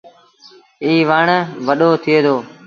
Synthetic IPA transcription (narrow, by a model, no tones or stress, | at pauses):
iːʋaːɳʋəɗoːt̪ʰɪeːd̪oː